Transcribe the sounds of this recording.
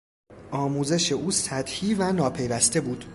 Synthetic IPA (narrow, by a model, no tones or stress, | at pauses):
ʔɒːmuːze̞ʃe̞ʔuːsæd̪hiːvænɒːpʰe̞jvæst̪e̞buːd̪̥